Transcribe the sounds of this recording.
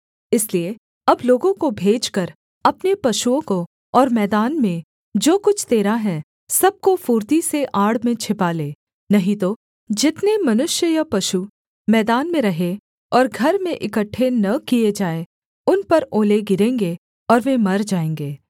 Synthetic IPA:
ɪslie | ɐbloːɡõkobʱeːd͡ʒkɐɾ | ɐpnepɐʃuõko | ɔːɾmɛːd̪aːnmẽ | d͡ʒoːkʊt͡ʃʰt̪eːɾaɦɛ | sɐb̚kofuːɾt̪iseʔaːɽmẽt͡ʃʰɪpaːleː | nɐɦĩt̪o | d͡ʒɪt̪nemɐnʊʃjəjapɐʃu | mɛːd̪aːnmẽɾɐɦe | ɔːɾɡʱɐɾmẽʔɪkəʈʰːenɐkied͡ʒaːe | ʊnpɐɾoːleɡɪɾẽːŋɡe | ɔːɾʋẽmɐɾd͡ʒaːẽːŋɡeː

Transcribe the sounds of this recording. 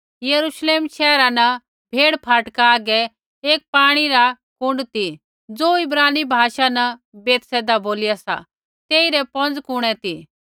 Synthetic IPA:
jɐɾuʃleːmʃɛːɾanɐ | bʱeːɽpʰaːʈkaaːɡɛ | eːk̚paːɽ̃iɾa | kʊ̃ɳɖt̪i | d͡zoːɪbɾaːnibʱaːʃanɐbeːt̪sɛːd̪aboːlɪjasa̰ | t̪eːiɾɛpɔ̃nd͡zkʊɽ̃ɛt̪i

